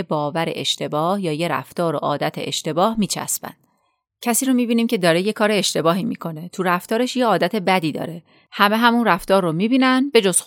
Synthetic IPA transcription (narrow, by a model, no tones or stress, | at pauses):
ebɒːvæɾe̞̰ʔeʃt̪e̞bɒːhjɒːje̞ɾæ̰ft̪ɒːɾo̞̰ʔɒ̰ːd̪æt̪ʰe̞̰ʔeʃt̪e̞bɒːhmiːt͡ʃʰæ̰spæ̰nd̪̥ | cʰæsiːɾomiːbiːniːmce̞d̪ɒːɾeje̞kʰɒːɾe̞eʃt̪e̞bɒːɦiːmḭːkʰo̞ne̞t̪ʰuɾæft̪ɒːɾe̞ʃjeɒːd̪æt̪ʰe̞bæd̪iːd̪ɒ̰ːɾe̞ | hæme̞ɦæmunræft̪ɒːɾːomibiːnænbe̞d͡ʒoz̥x